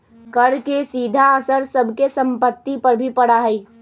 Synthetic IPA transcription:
kəɾkesiːd̪ʱaəsəɾsəbʱkesə̃mpət̪ːipəɾbʱipəɽaɦɛi

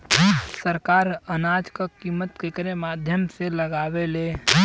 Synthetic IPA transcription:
səɾkaːɾənaːd͡ʒkakiːmːət̪kekɾemaːd̪ʱjəmseləɡaːweleː

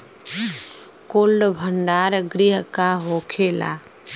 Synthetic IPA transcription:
koːlɖbʱəɳɖaːɾɡɾiɦəkaɦoːkʰeːla̰ː

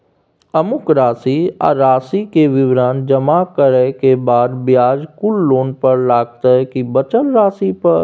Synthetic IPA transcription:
əmʊkɾaːsia̰ːɾaːsikeʋɪʋɾaːnd͡ʒɐmakəɾɛkebaːd̪bjaːd͡ʒkʊlːoːnpɐɾlaːɡ̚t̪aɦɛkibət͡ʃəlɾaːsipɐɾ

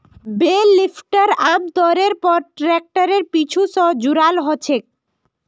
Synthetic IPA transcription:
belifʈaɾamd̪ɔɾeɾpɔɾʈɾɛk̚ʈaɾeɾpit͡ɕʰusɔd͡ʑuɾalɦɔt͡ɕʰek̚

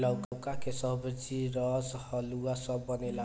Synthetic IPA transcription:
lʌwkwkakesʌɦbʌt͡siɾʌshʌluwasʌbːʌnela

